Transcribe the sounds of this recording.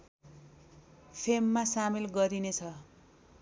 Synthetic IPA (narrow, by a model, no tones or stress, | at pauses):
pʰemːasamilɡʌɾinet͡sʰʌ